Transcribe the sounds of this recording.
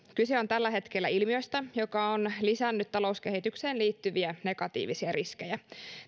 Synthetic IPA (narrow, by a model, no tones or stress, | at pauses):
kyseo̞nt̪ælːæɦe̞t̪kelːæilmio̞jst̪æjo̞kɑonlisænːyt̪t̪ɑlo̞uskehit̪ykse̞ːnliːt̪ːyʋiæne̞ɡɑt̪ḭːʋisiæriskejæ